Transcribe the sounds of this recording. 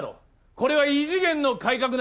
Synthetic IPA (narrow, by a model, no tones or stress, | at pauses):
ɾo̰ | ko̞ɾe̞βaiʑiɡẽ̞nːo̞kaikak̬ɯ̟n